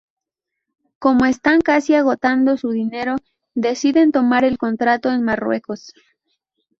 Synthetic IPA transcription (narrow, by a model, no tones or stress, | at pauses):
ko̞mo̞e̞st̪aŋkasiaɣ̞o̞t̪and̪o̞suðine̞ɾo̞ | ðe̞siðe̞nt̪o̞maɾe̞lko̞nt̪ɾat̪o̞e̞nmarwe̞̰ko̞s